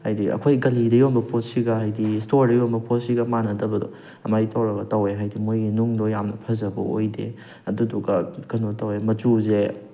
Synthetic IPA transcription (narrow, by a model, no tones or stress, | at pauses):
hajdiɐ̰kʰojɡɐlidɐjombɐpot̚siɡɐɦajdistoɾdɐjombɐpʰot̚siɡɐmanɐdɐbɐdɔ̰ | ɐmajitʰawɾɐɡɐtɐweɦajdimojɡinuŋdojamnɐpʰɐzɐbɐ̰o̰jdḛ | ɐduduɡɐkɐnotawemɐt͡ʃuze